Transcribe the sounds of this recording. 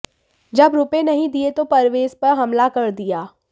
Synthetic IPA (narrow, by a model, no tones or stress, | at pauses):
d͡ʒɐbɾʊpẽnɐɦĩd̪iet̪opɐɾʋeːzpɐɾɦɐmlakɐɾd̪ijaː